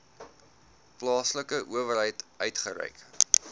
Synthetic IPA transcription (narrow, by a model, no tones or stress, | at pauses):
plɑːsləkəʔuəvərɦɛjtœɥtχəɾɛ̰jk